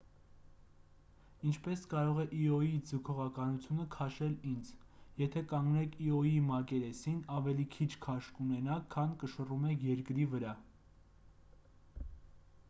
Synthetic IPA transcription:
int͡ʃʰpɛskɑɾɔʁɛʔiɔjid͡zəkʰɔʁɑkɑnut͡sʰjunəkʰɑʃɛlind͡z | jɛt̪ʰɛkɑŋɡnɛkʰiɔjimɑkɛɾɛsinɑvɛlikʰit͡ʃʰkʰɑʃkunɛnɑkʰːɑnkəʃərumɛkʰjɛɾkɾivəɾɑ

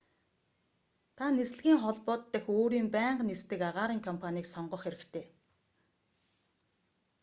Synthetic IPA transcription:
t̪ʰanes̆ɮɣʲiːŋχɔɮpɔːt̪ːə̆xoːɾiːmpæːɴɢnist̪ɘ̆kaʁaːɾiːŋkʰɔmpʰaniːksɔɴɢɞ̆χxeɾɘ̆kt̪ʰeː

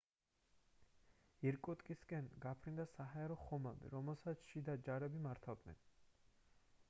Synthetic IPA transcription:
iɾkʼɔt̪ʼkʼiskʼɛnɡapʰɾind̪asaɦaɛɾɔχɔmabḭɾɔmɛlˠsat̪sʰʃid̪ad͡ʒaɾɛbimaɾt̪ʰavd̪nɛ̰n

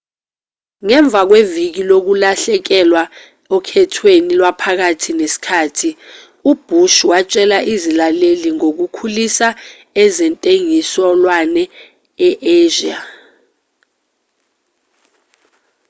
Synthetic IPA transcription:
ŋɛɱb̪vʱak̬wevik̬ilok̬ulaɬɛk̬ɛlwa | ɔkʰɛtʰwenilwapʰak̬atʰinesi̥kʰaːtʰi | ub̥ʱuʃwat͡ʃʼɛlaʔizilaleliŋok̬ukʰulisa | ɛzɛntʼeŋisɔlwanɛ | ɛʔeːʒia

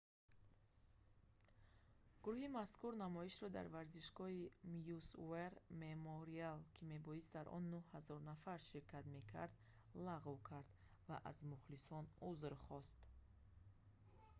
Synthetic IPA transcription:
ɡ̥uɾuhimaskuɾnamɔiʃɾɔd̪a̰ɾvaɾziʃɡɔhimjusṵeɾmemoɾialkʰime̞bɔist̪d̪aɾʔɔ̰nːuhhazɔɾnafaɾʃiɾkʰat̪me̞kʰa̰ɾd̪ | laʁvkʰaɾd̪ | vaʔa̰zmuχlisɔnuzɾχɔst̪

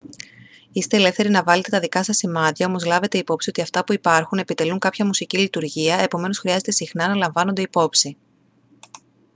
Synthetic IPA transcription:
ist̪e̞ːlefθe̞ɾinɐvɐle̞t̪e̞t̪ɐðikɐsɐsimɐðiɐo̞mo̞zlɐve̞t̪e̞ipo̞psio̞t̪iɐft̪ɐpuipɐɾxune̞pit̪e̞luŋkɐpçɐmusicilit̪uɾʝiɐe̞po̞me̞no̞sxɾiɐze̞t̪e̞sixnɐnɐlɐɱvɐno̞nd̪e̞ipo̞psi

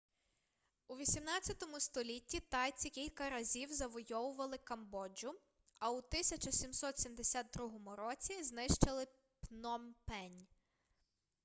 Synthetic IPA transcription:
uʋʲisʲimnɑt͡sʲjɐt̪ɔmʊst̪ɔlʲitʲːit̪ɑjt͡sʲikʲilʲkɐɾɐzʲiwzɐʋɔjɔʋʊʋɐlˠɪkɐmbɔd͡ʒʊ | ɐʊt̪ɪsʲɐt͡ʃɐsʲimsɔt̪sʲimd̪esʲad̪̚d̪ɾuɦɔmʊɾɔt͡sʲiznɪʃt͡ʃɐlˠɪ | pnɔmpɛnʲ

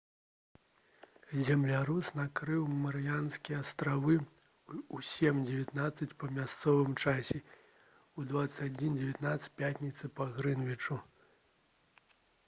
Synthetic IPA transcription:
zʲɛmlʲaɾusnakɾɨwmɐɾɨjanskʲijɛast̪ɾavɨ | usʲɛmd͡zʲɛvʲat̪nat̪sːɐt͡sʲpɐmʲast̪sɔvɨmt͡ʂasʲɛ | ud̪vat̪sɨ̥t͡sʲad͡zʲind͡zʲɛvʲat̪nat̪sɨ̥pʲat̪ʲnʲit̪sɨpɐɣɾɨnvʲit͡ʂu

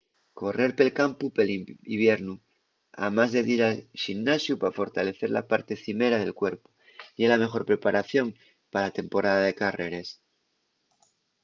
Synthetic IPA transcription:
ko̞re̞ɾpe̞lkampupeliiβje̞ɾnu | a̰mazðe̞ðiɾalʃinnasjupafo̞ɾt̪ale̞θe̞ɾla̰paɾt̪e̞θime̞ɾaðe̞lkwe̞ɾpu̥ | delame̞xo̞ɾpɾe̞paɾʔaθjo̞ŋ | paat̪e̞mpo̞ɾaðaðekare̞ɾe̞s

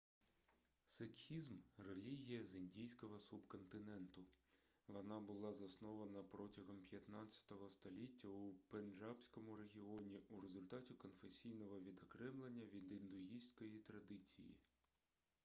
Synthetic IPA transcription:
sekxʲizmrelʲiɦʲijɐzɪnʲdʲijsʲkɔɦɔsubkɔnt̪ɪnɛnt̪ʊ | ʋɔnɑbʊlˠɑzɐsnɔʋɐnɐpɾɔtʲɐɦɔmpjɐt̪nɑt͡sʲɐ̥t̪ɔɦɔst̪ɔlʲitʲːɐupenʒɑbsʲkɔmʊɾe̞ɦʲiɔnʲiuɾezʊlʲt̪ɑtʲikɔnfesʲijnɔɦɔʋʲid̪ɔkɾɛmlˠenʲːɐʋʲind̪ɪnd̪ʊɦʲijsʲkɔjit̪ɾɐd̪ɪt͡sʲḭjḭ

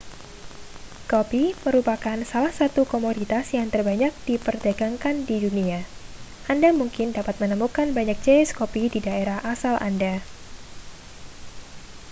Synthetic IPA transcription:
kopiməɾupakansalahsat̪ukomodit̪asjaŋt̪ərbaɲak̚d̥ipərdaɡaŋkandidunia | ʔandamuŋkɪndapat̪̚mənəmukanbaɲak̚t͡ʃajskopididaeɾahʔasalʔa̰nda

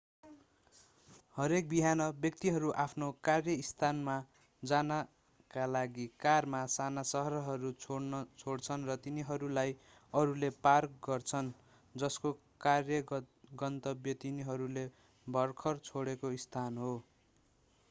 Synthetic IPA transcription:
hʌɾek̚biɦanʌbjʌk̚t̪iɦʌɾuʔapʰnokarjʌist̪ʰanma | d͡zanʌ | kalaɡikarmasanasʌɦʌɾʌɦʌɾut͡sʰoɽnʌt͡sʰoɽt͡sʰʌnrʌt̪iniɦʌɾulaj | ʌɾulepark̚ɡʌrt͡sʰʌn | d͡zʌsko | karjʌɡʌnt̪ʌbjʌt̪iniɦʌɾule | bʱʌrkʰʌrt͡sʰoɽekoist̪ʰanɦo

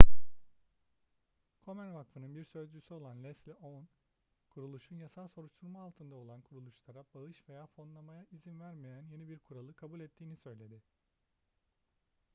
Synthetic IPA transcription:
kʰo̞mæɾvakfɯnɯnbiɾsø̞zd͡ʒysyo̞lˠanlʲɛslʲiʔon | kʰuɾulˠuʃunjasalˠso̞ɾuʃt̪ʰuɾmaːlˠt̪ʰɯnd̪ao̞lˠankʰuɾulˠuʃlˠaɾabaɯʃve̞jaːfo̞nlˠamajaizinvæɾmejænje̞nibiɾkʰuɾalˠɯkʰabulʲɛt̪ʰːiːnisø̞jlʲe̞d̪ɪ

